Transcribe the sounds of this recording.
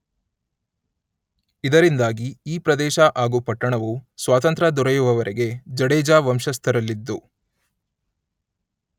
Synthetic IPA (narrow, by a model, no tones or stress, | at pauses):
id̪ɐɾind̪aːɡiiːpɾɐd̪ɛːʃɐʔaːɡupɐʈːɐɳɐʋusʋaːt̪ɐnt̪ɾɐd̪ɔɾɐjuʋɐʋɐɾʔɛɡe̞d͡ʒɐɽɛːd͡ʒaːʋɐmʃɐst̪ʰɐɾɐlːid̪ːu